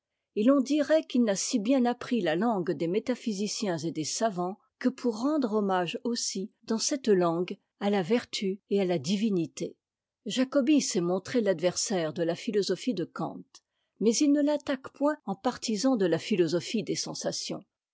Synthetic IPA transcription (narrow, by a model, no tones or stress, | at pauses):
elɔ̃d̪iʁɛkilnasibjɛ̃napχilalɑ̃ɡd̪emet̪afizisjɛ̃zed̪esavɑ̃ | kəpʰuʁːɑ̃d̪ʁɔmaʒosid̪ɑ̃sɛt̪lɑ̃ɡ | alavɛʁt̪ʰyealad̪ivinit̪e | ʒakɔbisɛmɔ̃t̪χelad̪vɛʁsɛʁd̪əlafilɔzɔfid̪əkɑ̰̃t̪ | mɛzilnəlat̪akpwɛ̃ɑ̃paʁt̪izɑ̃d̪əlafilɔzɔfid̪esɑ̃sasjɔ̰̃